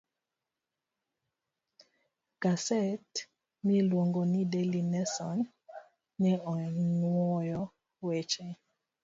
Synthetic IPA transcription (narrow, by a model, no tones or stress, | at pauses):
ɡ̥asɛt | milwoŋɡonidelinɛsan | nɛɔŋwɔjɔ | wɛt͡ʃɛ